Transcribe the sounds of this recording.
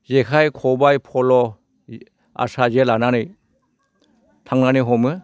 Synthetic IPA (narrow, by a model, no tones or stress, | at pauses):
zekʰajkʰɔbajpʰɔlɔ | a̰sazelananɯj | tʰaŋnanɯɦɔmɯ